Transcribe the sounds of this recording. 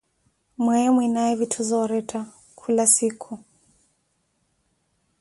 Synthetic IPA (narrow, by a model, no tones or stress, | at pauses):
mwɛɛmwinajɛvitʰuzɔwaɾɛtʰa | kʰulasikʰu